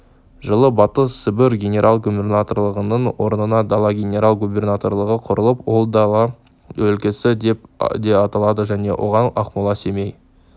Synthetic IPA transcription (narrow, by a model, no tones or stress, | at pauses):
ʒəlˠəbɑt̪əssɪbɪɾɡʲe̞nʲe̞ɾʔalˠɡube̞rnat̪orlˠəʁənəɴwo̞ɾnənɑd̪ɑlˠɑɡʲenʲe̞ɾalˠɡubʲe̞rnat̪o̞rlˠəʁəqʰʊɾəlˠəpwo̞lˠd̪ɑɑ | wɵlkʲɪsɪd̪epd̪e̞ɑt̪ɑlˠɑd̪əʒæne̞̰wʔo̞̰ʁɑnɑqmulˠɑseme̞j